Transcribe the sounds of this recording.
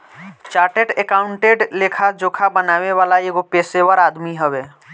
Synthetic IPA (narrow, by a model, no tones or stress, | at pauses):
t͡ʃaːɾʈeʈekaːʊɳʈeɖleːkʰad͡ʒoːkʰabənaːweʋaːlaeːɡopeːsewəɾaːd̪miɦəweː